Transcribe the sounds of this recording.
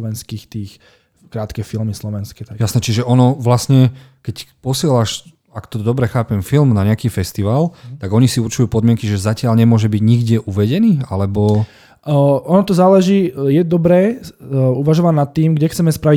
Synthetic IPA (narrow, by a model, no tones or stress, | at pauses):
ʋɛnskiːxt̪iːx | kɾaːt̪kɛfilmislɔʋɛnskɛt̪jasnɛt͡ʃiʒɛʔɔnɔʋlasɲɛ | kɛcpɔsɪɛlaʃ | akt̪ɔd̪ɔbɾɛxaːpɛmfilmnaɲɛakiːfɛst̪iʋaːlt̪aɡɔɲisiuɾt͡ʃujuːpɔd̪mɪɛŋkiʒɛzacɪaʎɲɛmʊɔʒɛbiɟɲiɡɟɪɛʔuʋɛɟɛniːalɛbɔ | ɔnɔt̪ɔzaːlɛʒiːjɛd̪ɔbɾɛː | uʋaʒɔʋanat̪ːiːmɡɟɛxt͡sɛmɛspɾaʋi